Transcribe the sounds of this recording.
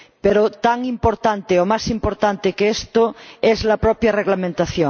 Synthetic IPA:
peɾot̪aŋĩmpoɾt̪ant̪eomasimpoɾt̪ant̪ekeest̪oezlapɾɔpjareɣlamẽnt̪aθjo

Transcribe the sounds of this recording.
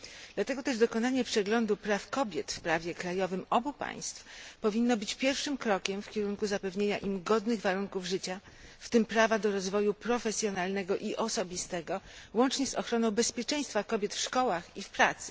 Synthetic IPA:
d̪̥lat̪ɛɡɔt̪ɛʐd̪ɔkɔnaɲɛpʂɛɡlɔnd̪upɾafkɔbʲjɛt̪fpɾavʲjɛkɾajɔvɘmɔbupa̰j̃st̪fpɔvʲinːɔbɘt͡ɕpʲjɛɾfʂɘmkɾɔkʲɛmfkʲɛɾunkuzapɛvɲeɲa̰ʔimɡɔd̪nɘɣvaɾuŋkuvʐɘt͡ɕa | ft̪ɘmpɾavad̪ɔɾɔzvɔjupɾɔfɛsʲjɔnalnɛɡɔʔiʔɔsɔbʲist̪ɛɡɔwɔnt͡ʂɲɛzɔxɾɔnɔ̃w̃bɛspʲjɛt͡ʂɛ̃j̃st̪fakɔbʲjɛt̪fʂkɔwaxifpɾat̪sɘ̥

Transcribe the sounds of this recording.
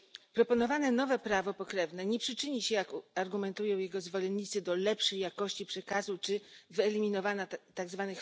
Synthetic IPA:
pɾɔpɔnɔvanɛnɔvɛpɾavɔpɔkɾɛvnɛɲɛpʂɘt͡ʂɘɲiɕɛjakaɾɡumɛnt̪ujɔ̃w̃jɛɡɔzvɔlɛnːit̪sɘd̪ɔlɛpʂɛjakɔɕt͡ɕipʂɛkazut͡ʂɘvɘɛlʲimʲinɔvanat̪aɡzvanɘx

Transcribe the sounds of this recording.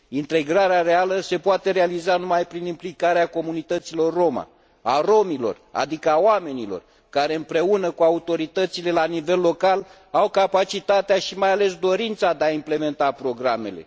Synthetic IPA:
int̪e̞ɡɾaɾeaɾe̞aləse̞powat̪e̞ɾealizanumajpɾinimplikaɾeako̞munit̪ət̪silo̞rːo̞ma̰ | a̰ro̞milo̞̰ra̰d̪ikəawame̞nilo̞̰r | kaɾe̞ɨmpɾe̞unəkuaut̪o̞ɾit̪ət̪sile̞lanive̞lːo̞kal | awkapat͡ʃit̪at̪eaʃimajale̞sd̪o̞ɾint̪sad̪eaimple̞me̞nt̪apɾo̞ɡɾame̞̰le̞̰

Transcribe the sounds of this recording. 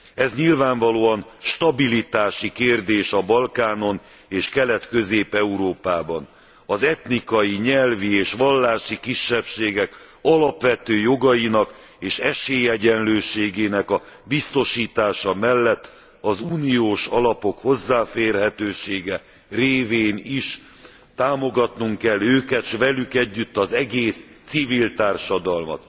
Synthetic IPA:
ɛzɲilvaːɱvɒloːɒnʃt̪ɒbilit̪aːʃikeːrd̪eːʃɒbɒlkaːno̞n | eːʃkɛlɛt̪kø̞zeːpɛuɾoːpaːbɒn | ɒzɛt̪nikɒjiɲɛlvieːʃʋɒlːaːʃikiʃːɛpʃeːɡɛk | ɒlɒpʋɛt̪øːjo̞ɡɒjinɒk | eːʃɛʃeːjɛɟɛnløːʃeːɡeːnɛkɒbist̪o̞ʃiːt̪aːʃɒmɛlːɛt̪ː | ɒzuːnijoːʃɒlɒpo̞kho̞zːaːfeːrɦɛt̪øːʃeːɡɛ | reːveːniʃ | t̪aːmo̞ɡɒt̪nuŋkɛlːøːkɛt̪ʃʋɛlykɛɟːyt̪ːɒzɛɡeːst̪sivilt̪aːrʃɒd̪ɒlmɒ̰t̪

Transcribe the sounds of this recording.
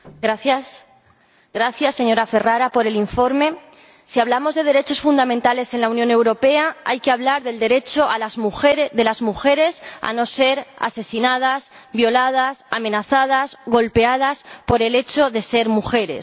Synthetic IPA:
ɾajas | ɡɾaθjasːe̞ɲo̞ɾafe̞raɾapo̞ɾe̞liɱfo̞ɾme̞ | siaβ̞lamo̞zðe̞ð̞e̞ɾe̞t͡ʃo̞sfund̪amẽnt̪ale̞se̞nlaunjõne̞wɾo̞pe̞aajke̞aβlaɾðe̞ld̪e̞ɾe̞t͡ʃo̞ʔalazmuxeɾðe̞lazmuxe̞ɾe̞sa̰no̞se̞ɾa̰se̞sinað̞as | βjo̞lað̞asamẽ̞naθað̞azɣo̞lpe̞að̞aspo̞ɾe̞le̞t͡ʃo̞ðe̞se̞ɾmuxe̞ɾe̞̰s

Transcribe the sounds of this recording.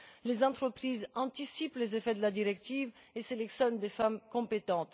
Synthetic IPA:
lezɑ̃t̪χəpχizɑ̃t̪isiplezefɛd̪əlad̪iʁɛk̚t̪iveselɛksjɔnd̪efamkɔ̃pet̪ɑ̃t̪

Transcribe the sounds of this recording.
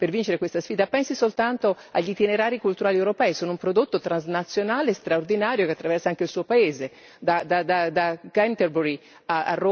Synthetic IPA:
pervint͡ʃeɾekwest̪asfiːd̪apɛnsisolt̪ant̪oa̰ʎːit̪ineɾaːɾikult̪uɾaːliɛwɾopɛːisoːnoumpɾod̪ot̪ːot̪ɾanznat̪sːjonaːlest̪ɾaord̪inaːɾjokeat̪ːɾavɛrsaaŋk̟eilsuːopaeːze | d̪ad̪ad̪ad̪aɡant̪erbuɾi | aa̰rːo

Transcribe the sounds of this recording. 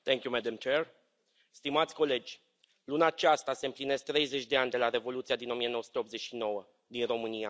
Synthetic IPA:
t̪ɛŋkʲjumɛd̪amt͡ʃer | st̪imat̪sʲko̞le̞d͡ʒʲ | lunaːt͡ʃast̪ase̞ɨmpline̞sk̚t̪ɾe̞jze̞t͡ʃʲd̪e̞anʲd̪e̞laɾe̞vo̞lut̪siad̪ino̞mijenowəsut̪eo̞pt̪ze̞t͡ʃʲʃino̞wə | d̪inro̞mɨnia

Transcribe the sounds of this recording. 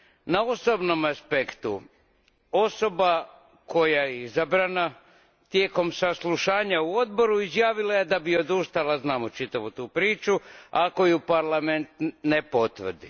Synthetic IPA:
naosobno̞maspekt̪u | o̞so̞ba | kʰo̞jaeizabɾana | t̪jeko̞msaslˠuʃaːɲauo̞d̪̚bo̞ɾuizjaːʋilaje̞d̪abio̞d̪uʃt̪alaznamot͡ʃit̪aʋut̪uːpɾiːt͡ʃuako̞jupaɾlˠame̞nt̪nepo̞t̪ʋr̩d̪ḭ

